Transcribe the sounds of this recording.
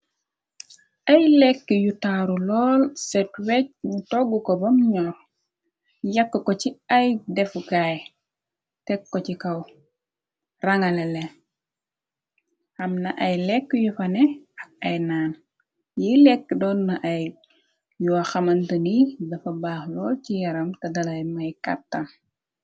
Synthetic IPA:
ʔɐjlɛkːəjutaɾulɔːlsɛtwɛc̚ɲutɔɡːukɔbɐmɲɔ | jɐkːəkɔciɐjdɛfɡaj | tɛkːɔcikɐw | rɐŋɐlɛlɛ | ɐmnɐʔɐjlɛkːjufɐnɛɐk̚ɐjnaːn | jilɛkːdɔːnːɐʔɐj | juwɐxɐmɐntɐnidɐfɐbaːxlɔːlcijɐɾɐmtɐdɐlɐjmɐjkɐ̰tːɐm

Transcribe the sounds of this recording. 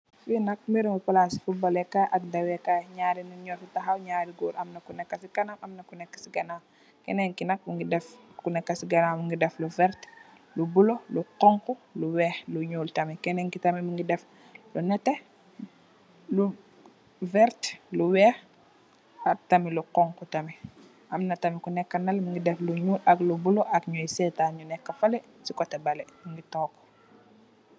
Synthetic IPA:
finɐk̚miɾuŋɡipalasi̥fubɔlɛkaʔɐk̚dɐwɛkaɲaːɾinuɲɔɾfutaɦawɲaːɾiɡuːɾʔɐmnɐkunɛkːɐsikɐnaʔɐmnɐkunɛkːḁsiɡɐnaː | kɛnɛŋkinɐk̚muŋɡidɛfkunɛkːɐsiɡɐnaːmuŋɡidɛfluvɛɾt | lubuloluqɔŋkuluwɛːxluɲuːltɐmikɛnɛŋkitɐmimuŋɡidɛf | lunɛtɛ | lu | vɛɾtluwɛːx | ak̚tɐmiluqɔŋkutɐmi | ʔɐmnɐtɐmikunɛkːɐnɐlmiŋɡidɛfluɲuːlaklubuloʔakɲɔjisɛtaɲunɛkːɐfalɛ | sikɔtɛbɐlɛmiŋɡitɔːkːɔ̥

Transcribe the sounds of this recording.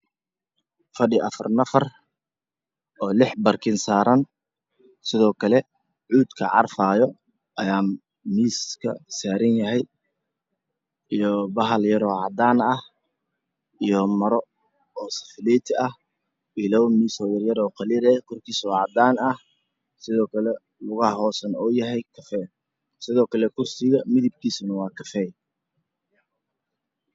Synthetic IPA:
fɐɖɪʔɐfɐrnɐfɐr | ʔɔːlɪħbɐrkʰɪnsaːɾɐn | sɪðɔːkʰɐlɛ | ʕuːd̪kʰɐ̰ʕɑrfaːjɔ | ʔɐjaː | miːskʰɐ̰saːɾɐnjɐɦɛj | ijɔbɐɦɐljɐɾɔːʕɑd̪aːnɐh | ijɔmɐɾɔ | ɔːsɐ̥fɪlɛːt̪ʰɪɐh | ɪlɐwmiːsɔjɐrjɐɾɔːqɑliɾɛkʰɔrkʰiːsɔʕɑd̪aːnɐh | sɪðɔːkʰɐlɛ | lʊɣɐhɦɔːsɐnɔːjɐɦɛjkʰɐfɛː | sɪðɔːkʰɐlɛkʰʊrsɪɣɐmɪðɪb̚kʰiːsʊnɐwɑːkʰɐfɛːj

